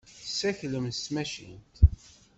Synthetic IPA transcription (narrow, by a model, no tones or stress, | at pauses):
sæçləmsmæʃḭnt̪